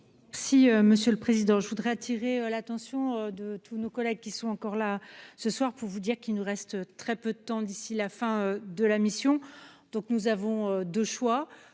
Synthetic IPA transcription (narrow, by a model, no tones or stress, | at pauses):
mɛʁsiøməsjøləpχezid̪ɑ̃ʒəvud̪ʁɛat̪ʰiʁeølat̪ɑ̃sjɔ̃ød̪ət̪ʰunokɔlɛɡ̚kʲisɔ̃ɑ̃kɔʁlasəswaʁpuʁvud̪iʁkilnuʁɛst̪øt̪χɛpød̪ət̪ɑ̃d̪isilafɛ̃ød̪əlamisjɔ̃ | d̪̥ɔ̃knuzavɔ̃ød̪øʃwa